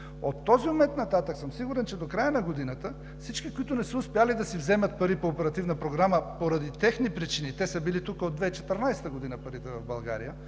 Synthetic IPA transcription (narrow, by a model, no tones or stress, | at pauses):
ot̪ːɔziʊmɛnt̪nɐt̪at̪əksəmsiɡʊɾɛnt͡ʃɛd̪okɾajənɐɡod̪inət̪ə | fsit͡ʃkikoit̪ʊnɛsəʊspɛalid̪ɐsivzɛmɐt̪̚pɐɾipoːpɛɾɐt̪ivnəpɾoɡɾaməpoɾɐd̪it̪ɛxnipɾit͡ʃinit̪ɛsəbilit̪ukəod̪vɛit͡ʃɛt̪əɾnajst̪əɡod̪inəpɐɾit̪ɛvɐvbɐlˠɡaɾijə